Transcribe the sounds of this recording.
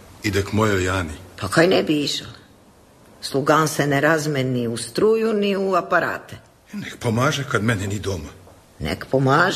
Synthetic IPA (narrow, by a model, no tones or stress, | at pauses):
id̪ekmojojaːnipakajnebiiʃal | slˠuɡanseneɾazmeniust̪ɾuːjuniuapaɾa̰ːt̪e | nekpomaːʒekad̪mɛnɛnid̪oma | nḛkpomaːʒ